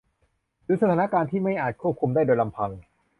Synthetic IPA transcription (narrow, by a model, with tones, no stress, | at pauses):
ɾɯː˧˦˥sa˧t̪ʰaː˦na˦˥kaː˧nt̪ʰiː˥˩ma˥˩jʔaː˨˩t̪̚kʰu˥˩kʰu˧mdaː˥˩jdoː˧jla˧mpʰa˧ŋ